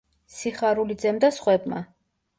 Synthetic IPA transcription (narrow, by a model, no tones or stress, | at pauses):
siχaɾulid̪zɛmd̪asχwɛbma̰